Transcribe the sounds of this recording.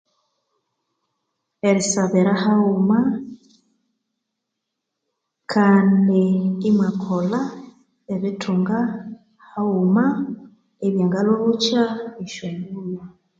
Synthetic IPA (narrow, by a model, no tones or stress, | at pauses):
eɾisaβeɾahauma | kʰaːndiŋɡimakʰola | eβitʰuŋɡa | hauma | eβjaŋɡaloβut͡ʃaiʃwemula